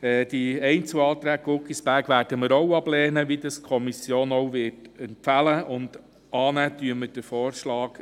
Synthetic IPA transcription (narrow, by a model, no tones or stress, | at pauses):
ɛːd̥iɛɪnt͡suɑːt̪ɾæːɡ̚ɡʊkisb̥æɾɡ̥ʋæːɾd̥əməɾɔwɑb̥lɛːnəʋidɑskʰɔmisjoːnɔwʋɪːtɛntfæləʊnd̥̪ | ɑːnətyəmːəd̥əfɔːrʃlɑːɡ̥